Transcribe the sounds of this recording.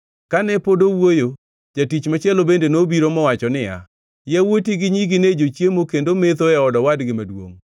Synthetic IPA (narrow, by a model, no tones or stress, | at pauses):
kanɛpodowojo | d͡ʒatit͡ʃmat͡ʃjɛlobendenobiɾomɔwat͡ʃɔnɪja̰ | jawotiɡɪɲiɡɪned͡ʒot͡ʃjemokendomet̪oɛɔdɔwadɡɪmadwo̰ŋ